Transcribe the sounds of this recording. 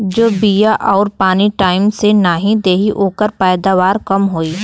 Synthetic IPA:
d͡ʒoːbijaʔɔːɾpaːniʈaːɪmsenaɦĩd̪eːɦiʔoːkəɾpɛːd̪aːʋaːɾkɐmɦoːiː

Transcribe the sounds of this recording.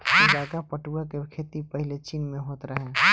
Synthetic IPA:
ɪlaːkapəʈuɡakekʰeːt̪ipəɦɪlet͡ʃiːnmẽɦoːt̪ɾəɦẽː

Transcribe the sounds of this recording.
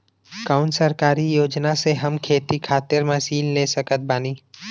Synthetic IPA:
kaːʊnsəɾkaːɾijoːd͡ʒnaseɦɐmkʰeːt̪ikʰaːt̪ɪɾmɐsiːllesəkət̪̚baːniː

